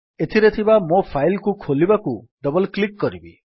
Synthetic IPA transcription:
et̪ʰiɾet̪ʰibamopʰajlkukʰolibakud̪ɔbɔlklikːɔɾibḭ

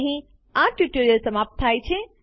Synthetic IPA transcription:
ɦĩ | ãʈuʈoɾijəlsəmaːp̚t̪ʰaːjt͡ɕʰẽ

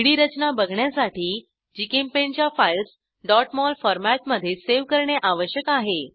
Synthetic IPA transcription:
ɽiːɾət͡ɕnabəɡʱɳjasaʈiː | d͡ʑiːkempent͡ɕjafails | ɖɔʈmɔlfɔɾmæʈ̚məd̪ʱːjeseʋkəɾɳeʔaʋəɕjəkaɦe

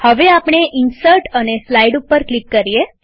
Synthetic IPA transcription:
həʋeapɽ̃eʔɪnsəɾʈəneslaiɖupːəɾklikːəɾie

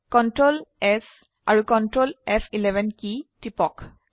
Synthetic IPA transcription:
kɔntɹolɛs | a̰ɹukɔntɹolɛpʰilɛbʱɛnkitipɔk

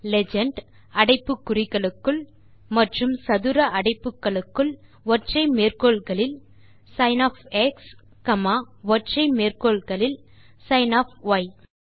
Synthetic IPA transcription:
lɛd͡ʒɐɳɖ | ɐɽɐɪpːɯkːʊrɪɣɐɭɯkːɯɭ | mɐʈrɯmsɐðɯɾɐʔɐɽɐɪpːɯkːɐɭɯkːɯɭ | ʋɔʈrɐɪmeːrkoːɭɣɐɭɪl | sɐɪnaːfɛks | kɐmaː | ʋɔʈrɐɪmeːrkoːɭɣɐɭɪl | sɐɪnaːfʋɐɪ

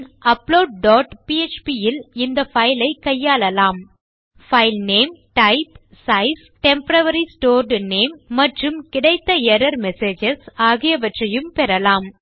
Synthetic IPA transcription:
ɐploːɖ̚ɖoːʈpiet͡ʃpiɪlɪnd̪ɐfɐɪlɐɪkːɐjːaːlɐlaːm | fɐɪlneːmʈɐɪp | sɐɪs | ʈɛmpɐɾɐʋɐɾisʈoːɾɖneːmːɐʈrɯmkɪɽɐɪt̪ːɐɛɾɐɾmɛseːd͡ʒɐsaːɣɪjɐʋɐʈrɐjɯmpɛɾɐlaːm

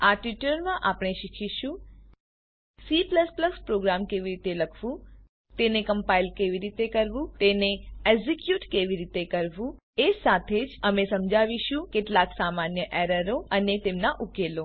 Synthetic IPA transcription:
aʈʋiʈəɾmãʔapɽ̃eʃikʰiʃũ | sipləspləspɾoɡɾamkeʋiɾit̪eləkʰʋũ | t̪enekəmpailkeʋiɾit̪ekəɾʋũt̪eneezikjuʈkeʋiɾit̪ekəɾʋũ | esat̪ʰed͡ʒəmesəmd͡ʒʱaʋiʃũkeʈlaksamanjəʔeɾəɾoənet̪emnaʔukelo

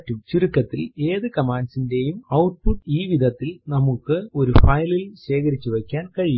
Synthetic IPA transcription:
tːumt͡ɕiɾukːɐt̪ːile̞ːðɨkɐmaːnsinde̞jumɐwʈ̚puʈːiːʋid̪ʱɐt̪ːilnɐmukːɨo̞ɾufɐjlilɕe̞ːkɐɾit͡ɕːuʋekʲːaːnkɐɻij

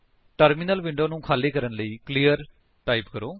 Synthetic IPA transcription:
ʈəɾmiːnəlʋɪɳɖoːnũːkʰaːleːkəɾənləiːkliːəɾ | ʈaːiːpkəɾoː

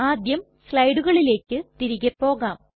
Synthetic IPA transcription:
aːd̪jɐm | sɭɐjɖuɣɐɭile̞ːkːɨt̪iɾiɣɐpːo̞ːɣaːm

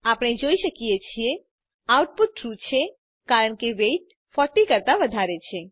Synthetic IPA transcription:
apɽ̃ed͡ʒoiʃəkijet͡ʃʰie | awʈ̚pʊt̪̚ʈɾut͡ʃʰe | kaːɾəɳ̃keʋeʈ̚ | fɔʈikəɾt̪aʋəd̪ʱaɾet͡ʃʰe

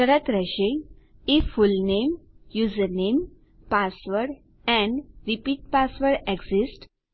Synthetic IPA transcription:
səɾət̪ɾəɕeifulnemjuzəɾnem | pasʋəɽ | ɛ̃ɳɖɾipiːʈ̚pasʋəɾeɡsisʈ

